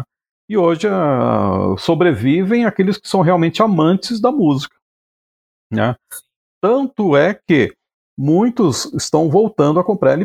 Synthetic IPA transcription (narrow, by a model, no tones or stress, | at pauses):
ɪoʒɪa | sobɾevivẽj̃akelɪskɪ̥sɐ̃w̃ɦeawmẽnt͡ʃɪamɐ̃t͡ʃɪzd̪ɐmuzikɐ̥ | nɛ̰ | t̪ɐ̃nt̪ʊɛkɪ | mũj̃t̪ʊzɪst̪ɐ̃w̃vowt̪ɐ̃nd̪ʊɐkõmpɾaɾelɪ